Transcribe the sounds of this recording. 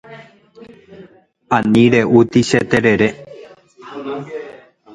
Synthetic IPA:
anĩɾeʔut̪iʃet̪eɾeɾe

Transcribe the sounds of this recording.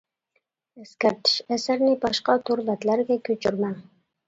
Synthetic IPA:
eskʲæɾt̪ʰɪ̥ʃæsæɾnɪbɑʃqɑt̪ʰoɾbæt̪læɾɡʲækʲʰɵt͡ʃʰyɾmæŋ

